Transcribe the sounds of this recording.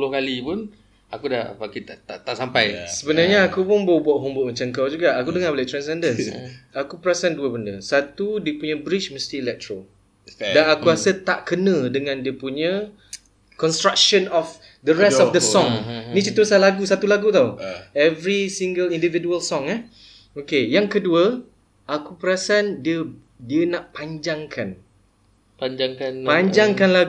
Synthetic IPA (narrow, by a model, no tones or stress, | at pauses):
lʊhkalipʊn | akuda̰bakit̪at̪aʔt̪aʔsampajsəbənarɲaːkupʊnbaubɔʔɦumbʊʔmat͡ʃaŋkawd͡ʒuɡaʔakudəŋablɛʔt̪ɾansɛndənsakupɾasɛnduəbəndəsat̪udiəpuɲə̃bɾit͡ʃməst̪iːlɛk̚t̪ɾo | danakuasət̪aʔkənə̃dəŋãndiəpuɲə̃ | kɔnst̪ɾak̚ʃənɔf | d̪əɾɛsstɔfdəsɔ̃ŋnĩt͡ʃət̪usalaɡusat̪ulaɡut̪awɛvɾisiŋɡəlindividuəlsɔ̃ŋɛh | okejaŋkəduə | ʔakupəɾasandiə | diənaʔpaɲd͡ʒaŋkʰan | paɲd͡ʒaŋknpaɲd͡ʒaŋkanlaɡ